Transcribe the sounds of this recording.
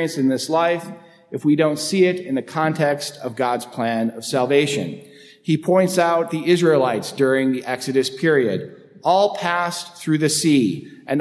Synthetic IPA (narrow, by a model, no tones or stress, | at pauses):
ɨ̃nsɨ̃nðɪslaɪf | ɨfwidõʊ̃ntsiɪɾɨ̃nðɨkʰɑ̃ntʰɛkstʰʌvɡɑdz̥pʰl̥æ̃nʌv̥sælˠveɪʃɨ̰̃n | ipʰɔ̃ɪ̃ntsaʊt̪̚ðiʔɪzɹilaɪtsd̥ʊɹɪ̃ŋðiʔɛksɨɾɨspʰɪɹiɨ̰ɾ | ʔɔlˠpʰæsθɹʉðɨsiʔɨ̃n